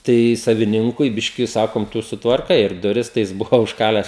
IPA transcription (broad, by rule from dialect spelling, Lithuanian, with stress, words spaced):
ˈtɐɪ sɐʋʲɪˈnʲɪŋkʊɪ ˈbʲɪʃʲkʲɪ ˈsɑːkoːm ˈtʊ sʊtʋɐrˈkɐɪ ɪr dʊˈrʲɪs tɐɪ ˈjɪs ˈbʊʋoː ʊʃˈkɑːlʲæːs